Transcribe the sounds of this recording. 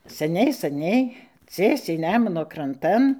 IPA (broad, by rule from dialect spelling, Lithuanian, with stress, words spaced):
sʲɛˈnʲɛɪ sɐˈnʲɛɪ ˈt͡sʲiɛsʲɛɪ ˈnʲæːmʊnoː krɐnˈtɐn